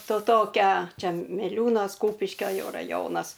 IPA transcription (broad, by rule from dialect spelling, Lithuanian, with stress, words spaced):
toː ˈtoːkʲɛ ˈt͡ʃʲɛ mʲɪˈlʲuːnoːs ˈkuːpʲɪʃʲkʲoː ˈjɛʊ rɐˈjoːnɐs